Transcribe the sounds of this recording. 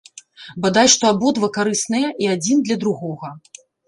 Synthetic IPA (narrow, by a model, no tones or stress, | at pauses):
bad̪ajʂt̪ɔabɔd̪vɐkaɾɨsnɐjɛʔiad͡zʲind̪lʲɐd̪ɾuɣɔɣɐ